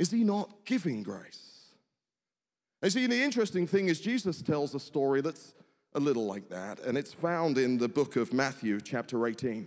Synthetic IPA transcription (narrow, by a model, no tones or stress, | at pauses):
ɨz̥inət̚ɡ̥ɪvɪ̃ŋɡɹḛɪs | ə̃njɨsĩnðiɪ̃nt͡ʃɹ̥ɛstɪ̃ŋθɪ̃ŋɨzd͡ʒizəstʰɛlˠzəstɔɹiðəts | ʔəlɪɾl̩ˠlaɪk̚ðæ̰tɨ̰̃nɨtsfãʊ̃ndɪ̃nðəbʊkʌvmæθjʉt͡ʃʰæp̚tʰə˞eɪtʰĩn